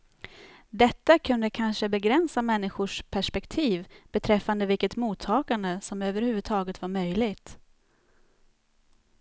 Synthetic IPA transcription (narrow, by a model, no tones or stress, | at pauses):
d̪ɛt̪ːakʰɵnd̪əkʰanʂəbɛɡɾɛnsamɛnːɪɧʊʂpʰæʂpɛkt̪ʰiːvbɛt̪ʰɾɛfːand̪əvɪlkːət̪muːt̪ʰːɑːkand̪əsɔmøːvəɾhʉvɵd̪̚t̪ʰɑːɡət̪vaɾmœjlɪɡt̪